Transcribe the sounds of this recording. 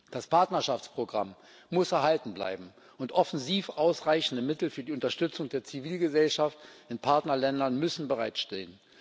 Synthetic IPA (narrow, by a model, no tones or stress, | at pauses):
d̥aspʰaɐtnɐʃaft͡spʁ̥oɡʁa̰mː | ʊsɛɐɦaltn̩bla̰ɪbm̩ | ʔʊntʔɔfn̩ziːfʔaʊsʁaɪçn̩dəmɪtl̩fyːɐdiːʊntɐʃtʏt͡sʊŋdeːɐt͡siviːlɡəzɛlʃaftɪnpʰaɐtnɐlɛndɐnmʏsn̩bəʁaɪtʃteːən